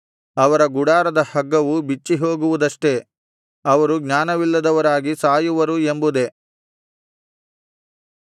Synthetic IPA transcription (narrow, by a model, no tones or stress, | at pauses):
ɐʋɐɾɐɡuɽaːɾɐd̪ɐhɐɡːɐʋubit͡ʃːiɦo̞ːɡuʋud̪ɐʂʈe̞ | ɐʋɐɾuɡɲaːnɐʋilːɐd̪ɐʋɐɾaːɡisaːjuʋɐɾue̞mbud̪e̞